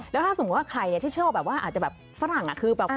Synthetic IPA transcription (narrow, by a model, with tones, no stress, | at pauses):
lɛː˦˥wt̪ʰa˥˩so˨˦˧t̪̚waː˥˩kʰɾa˧jni˥˩t̪iː˥˩t͡ɕʰɯː˥˩wbɛː˨˩p̚waː˥˩ʔaː˨˩t͡ɕa˨˩bɛː˨˩p̚fa˦˥ɾa˨˩ŋʔa̰˨˩kʰɯː˧bɛː˨˩